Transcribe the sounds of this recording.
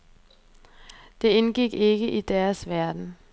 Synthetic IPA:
d̥e̝enɡ̥iɡ̥e̝ɡ̥əʔid̥æɐsʋæɐd̥n̩

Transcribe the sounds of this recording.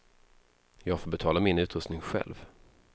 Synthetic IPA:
jɑːɡfoːɾbɛt̪ʰɑːlamɪnʉ̟ːt̪ɾɵst̪nɪŋɧɛ̰lv

